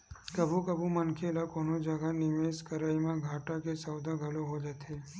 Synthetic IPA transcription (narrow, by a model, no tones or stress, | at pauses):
kəbukəbumənkʰelakonod͡ʒəɡanɪmeskəɾaimãɡʱaʈakesəwd̪ʱaɡʱəloɦod͡ʒət̪ʰe